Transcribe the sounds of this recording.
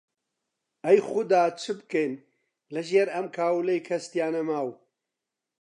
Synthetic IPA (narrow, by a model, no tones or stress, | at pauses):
ɐjxʊd̪aːt͡ʃʰɨbɨkejn | lɐʒeːɾɐmkʰaːwlejkʰɐst̪jaːnɐmaːw